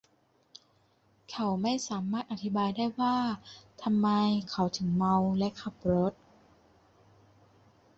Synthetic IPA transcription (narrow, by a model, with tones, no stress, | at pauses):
kʰa˨˥wma˥˩jsaː˩˦maː˥˩t̪̚ʔa˧˩t̪ʰi˦˥baː˧jdaː˥˩jwaː˥˩t̪ʰa˧mːa˧jkʰa˨˦wt̪ʰɯ˨˩˦ŋma˧wlɛ˦˥ʔkʰa˨˩p̚ɾo˦˥t̪̚